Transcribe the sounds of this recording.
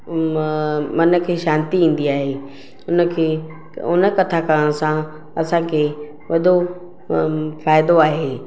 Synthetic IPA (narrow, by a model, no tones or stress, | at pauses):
mɐnəkʰeːʃãːnt̪iĩːn̆d̪iaːɦeː | ʊnə̆kʰeː | ʊnə̆kɐt̪ʰakəəɽ̃sã | ɐsãkʰeː | ʋɐɗo | faːɪd̪oaːɦeː